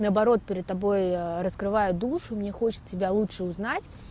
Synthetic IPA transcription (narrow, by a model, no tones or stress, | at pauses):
nɐɐbaɾɔt̪̚pʲɪɾʲɐd̪̚t̪abojɾəskɾɨvajʊd̪uʂumʲnʲexɔt͡ɕɪ̥tʲɪbʲalˠut͡ʂʂɨuznat͡sʲ